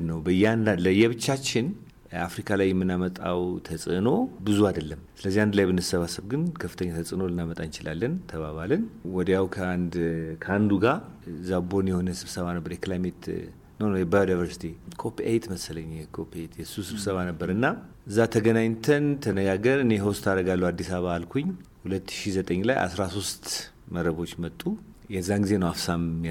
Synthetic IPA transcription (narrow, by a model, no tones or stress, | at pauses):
nəwbəjːɛanaləjːɛβɨt͡ʃːat͡ʃːɪn | afɾikʰalajɛmːɨnːamət̪ʼa̰wt̪ʰəsʼɨno̞bɨzuad̪əlːəmsɨləzːihand̪lajbɨnɨsəβasəβɡɨnkʰəfːɨ̥t̪ʰəɲːat̪ʰəsʼɨno̞lɨnːamət̪ʼant͡ʃɪla̰lːənt̪ʰəβaβalənwɔd̪jawkʰəand̪kʰəand̪uɡazabo̞njɛho̞nəsɨβsəβanəbːəɾjɛklajmet̪ | nəwnjɛbajudajvəɾsi̥t̪ʰikʰopiejt̪ʰməsələɲːjɛkʰopiejt̪jɛsusɨβsəβanəbːəɾɨnːa | ɨzːat̪ʰəɡənaɲt̪ʰənt̪ʰənəɡaɡəɾɨneɦost̪ʰaɾəɡalːuwad̪ːisaβaalkʰuɲːhulət̪ːɨʃizət̪ʼəɲːla̰jʔa̰sɾaso̞st̪ | məɾəβo̞t͡ʃːmət̪ʼːu | jɛzːaɡize̞nəwafsamː